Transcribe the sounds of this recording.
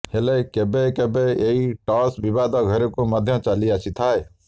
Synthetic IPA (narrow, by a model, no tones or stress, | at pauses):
helekebekebeeiʈɔːsbɪʋaːd̪ɔːɡʱəɾẽkoːməd̪ʱjãːt͡ʃaːliaːt͡ʃʰit̪ʰaːe